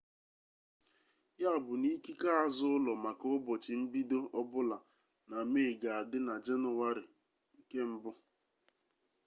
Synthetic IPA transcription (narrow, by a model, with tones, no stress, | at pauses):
ja˦a˦˨bʊ˨ni˦ki˦ka˦a˨zʊ˦ʊ˦lɔ˨ma˨kʊ˦ʊ˦bɔ˨t͡ʃɪ˨m̩˦bi˦do˦ɔ˦bʊ˦la˨ | na˨meː˦˨ɡa˨a˨dɪ˦na˨d͡ʒe˦nʊ˨wa˦ɾɪ˨ | ŋ̩˨ke˦m̩˦bʊ˦